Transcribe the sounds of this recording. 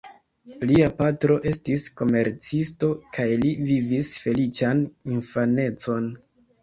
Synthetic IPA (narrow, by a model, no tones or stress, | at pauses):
liapatɾo̞ʔe̞stisko̞me̞ɾt͡sisto̞kʰajlivivisfe̞lit͡ʃaninfane̞t͡so̞n